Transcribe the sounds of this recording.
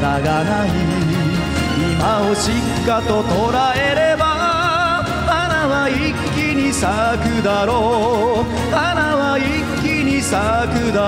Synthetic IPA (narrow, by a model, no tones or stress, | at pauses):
t̪aɡana | i | imaoɕikːat̪o̞t̪o̞ɾaeɾeba | manaβai | kʲːiɲ̟isakɯ̟d̪aɾo | anaβai | kːiɲisakɯd̪a